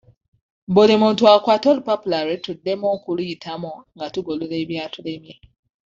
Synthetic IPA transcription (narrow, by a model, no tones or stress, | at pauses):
mbolemũntuakwatolupapulaɾitudːemoːkuliitʰamoŋɡatuɡololeːβjaːtulemje